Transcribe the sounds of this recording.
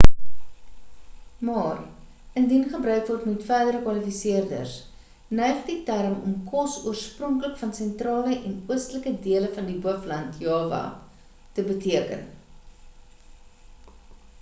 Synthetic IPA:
mɑːr | əndinχəbɾœɥkvɔrtmɛtfæːdəɾəkwɐlifisiərdə̰rs | nœɥχditærmɔ̰mkɔsṵərsprɔŋkləkfɐnsɛntrɑːləʔɛnuəstələkədiələfɐndibəflɐntjɑːvɑ̰ | təbətiəkə̰n

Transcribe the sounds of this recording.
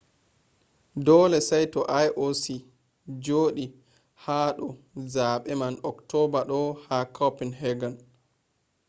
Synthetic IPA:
dɔːlɛsajtɔʔajʔosi | d͡ʒoːɗi | haːɗɔ | zaːɓɛmanɔktɔbaɗɔhakʰapinhɛɡan

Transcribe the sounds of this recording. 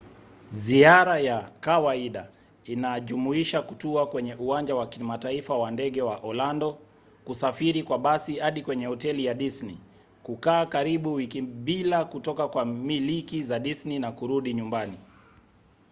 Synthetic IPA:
ziaɾajakawaiɗa | inaʄumuiʃakutuakwɛɲɛʔuwaɲd͡ʒawakimataifawandɛɠɛwaʔɔlandɔ | kusafiɾikwaɓasihaɗikwɛɲɛhɔtɛlijaɗisni | kukaːkaɾiɓuwikiɓilakutɔkakwamilikizaɗisninakuɾuɗiɲumbani

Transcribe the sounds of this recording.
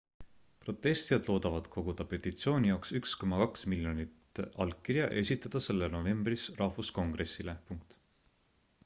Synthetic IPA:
pro̞t̪ːˑe̞st̪ijɑd̪̥lo̞ːd̪̥ɑvɑd̪̥kʰo̞ɡ̥ud̪̥ɑpe̞t̪ːˑit̪sio̞ːnʲijɑoksyksko̞mɑkɑksmiljo̞nit̪ʔɑlkkːirjɑʔe̞sʲit̪ːˑɑd̪̥ɑse̞lːeno̞ve̞mb̥risrɑhfusko̞ŋɡ̥re̞sːilepuŋk̚t̪ˑ

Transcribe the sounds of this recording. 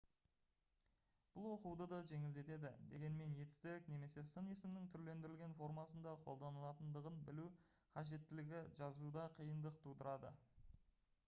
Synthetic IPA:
b̥ʊlˠwo̞quwd̪əd̪ɑʒe̞ŋɪld̪e̞t̪e̞d̪ɪ̰d̪e̞ɡʲe̞nme̞nje̞t̪st̪ɪkne̞me̞se̞sənesɪmnɪŋt̪ʰʏɾle̞nd̪ɪɾɪlʲɡʲe̞nfo̞ɾmɑsənd̪ɑqʰo̞̰lˠd̪ɑnəlˠɑt̪ənd̪əʁənbɪlu | qʰɑʒe̞t̪ːɪlɪɡʲɪʒɑzud̪ɑqʰijənd̪əqt̪ʰud̪əɾɑd̪ə̰

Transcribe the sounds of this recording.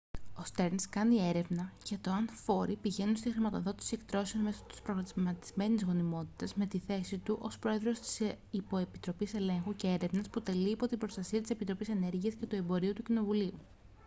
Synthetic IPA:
o̞st̪e̞ɾnskɐnie̞ɾe̞vnɐcet̪o̞ɐnfo̞ɾipiʝe̞nunst̪ixɾimɐt̪o̞ðo̞t̪i̥sie̞kt̪ɾo̞seonme̞sot̪u̥spɾoɣɐt̪izmɐt̪i̥zme̞nizɣo̞nimo̞t̪i̥t̪ɐzme̞t̪iθe̞sit̪uʔo̞spɾo̞e̞ðɾo̞st̪i̥s | ipo̞e̞pit̪ɾo̞pise̞le̞ŋxuce̞e̞ɾe̞vnɐsput̪e̞liːpo̞t̪ibɾo̞st̪ɐsiɐt̪ise̞pit̪ɾo̞pise̞ne̞ɾʝiɐsce̞t̪ue̞mbo̞ɾiut̪ucino̞vuliu

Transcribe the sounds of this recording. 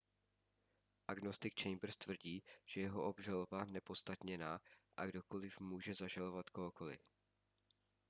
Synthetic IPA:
ʔaɡno̞st̪ɪkt͡ʃɛjmbr̩st̪vr̩ɟiːʒ̥ɛjɛɦoʔobʒalobanɛpo̞t̪st̪at̪ɲɛnaːʔaɡdo̞ko̞lɪfmuːʒɛzaʒalo̞vat̪koɦokolɪ̰

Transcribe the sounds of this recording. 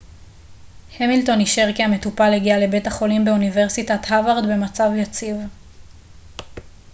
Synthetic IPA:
hemilto̞niʃeʁkiame̞tupaleɡialebe̞taχo̞limbe̞univeʁsitathavaʁd̪be̞mat͡savjat͡siv

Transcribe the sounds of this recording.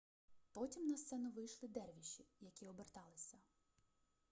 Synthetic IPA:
pɔtʲimnɐst̪sɛnʊʋɪjʃlˠɪd̪ɛrʋʲiʃʲijɐkʲiɔbert̪ɑlˠɪsʲɐ

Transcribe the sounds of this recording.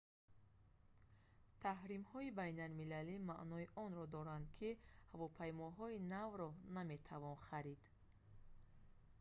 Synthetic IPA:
t̪ʰaɦɾimhɔibajnalmilalimaʔnɔiʔɔnɾɔd̪ɔɾand̪kʰihavɔpʰajmɔɦɔinavɾɔname̞t̪ʰavɔnχaɾid̪̥

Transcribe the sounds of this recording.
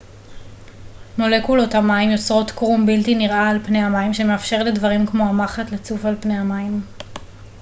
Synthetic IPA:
no̞le̞kulo̞tamaimjo̞t͡sʁo̞tkʁumbiltiniʁʔaːlpne̞amaimʃe̞meafʃe̞ʁle̞dvɐʁimkmo̞amaχatlet͡sufalpne̞jamaim

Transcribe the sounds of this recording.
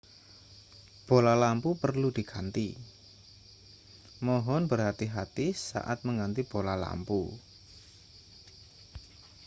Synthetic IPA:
b̥olalampupərlud̪̥i̤kʰant̪i | mɔɦɔnb̥ərɦat̪iɦat̪isa̰ʔa̰t̪̚məŋɡant̪ib̥olala̰mpu

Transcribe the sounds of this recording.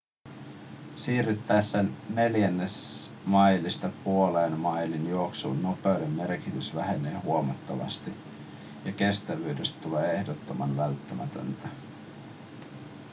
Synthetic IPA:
siːryt̪ːæːsːenːe̞ljænːes | mɑjlːist̪ɑpuoleːnmɑjlinjooksṵːnːo̞peydemːe̞rkit̪ysʋæɦeneːhuomɑt̪ːɑʋɑ̰st̪i | jɑke̞st̪æʋyːde̞st̪t̪uleːe̞hdot̪ːo̞mɑnʋælt̪ːæmæ̰t̪ø̰nt̪æ

